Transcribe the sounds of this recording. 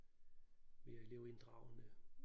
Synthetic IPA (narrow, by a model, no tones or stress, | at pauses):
meeleʊend̥ʁɑ̈ʊnə